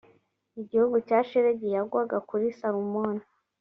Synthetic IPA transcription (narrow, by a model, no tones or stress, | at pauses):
iɟihuɡucaːʃiɾeɟijaɡwaɡakuɾisaɾumona